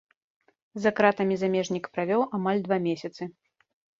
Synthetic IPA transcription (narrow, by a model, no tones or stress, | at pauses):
zakɾat̪ɐmʲizamʲɛʐnʲikpɾavʲɔwʔamalʲd̪vamʲesʲɐt̪sɨ